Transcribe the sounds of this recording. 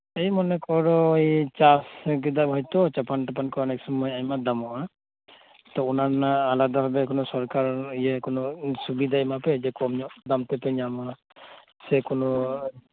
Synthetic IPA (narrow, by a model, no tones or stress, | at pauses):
ejmɔnɛkɔɾɔjt͡ʃasɡid̪abʱɔjt̪ɔt͡ʃapanʈapankɔnɛksɔmmɔjajmad̪amɔʔa | t̪ɔunanaːlad̪abʱabɛkɔnɔsɔɾkaɾijɛkɔnɔsubid̪ʱajmapɛd͡ʒɛkɔmɲɔʔd̪amt̪ɛpɛɲama | sɛkɔnɔ